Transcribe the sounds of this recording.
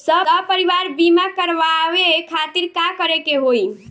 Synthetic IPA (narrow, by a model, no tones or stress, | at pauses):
səəpəɾiʋaɾbimakəɾʋaʋekʰat̪iɾkakəɾekeɦoj